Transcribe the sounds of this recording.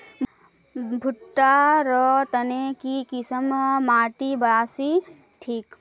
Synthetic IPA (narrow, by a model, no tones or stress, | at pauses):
bʱʊʈːaɾɔt̪ɐnekikisəmmaːʈibaːsi | ʈʰiːk